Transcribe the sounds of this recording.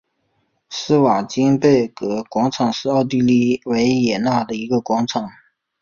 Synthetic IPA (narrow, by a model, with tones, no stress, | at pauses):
sɹ̩˥wa˨˩t͡ɕi˥ŋpe˥˩ɪkɤ˧˥kwɑ˧˥ŋʈ͡ʂʰɑ˨˩ŋʂɻ̩˥˧ɑ˥˧ʊt̪̬i˥˧li˥˩we˧˥ɪjɛ˨˩na˥˩d̪ə˩i˧˥ɡə˧kwɑ˧˥ŋʈ͡ʂʰɑ˨˩˦ŋ